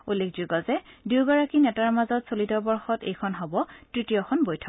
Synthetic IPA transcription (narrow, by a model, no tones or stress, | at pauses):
ulːekʰzuɡɔzɛdiwɡɔɹakinɛtaɹmazɔtsolitɔbɔɹxɔtḛjkʰɔnɦɔbɔtɹitijɔxɔnbojtʰɔ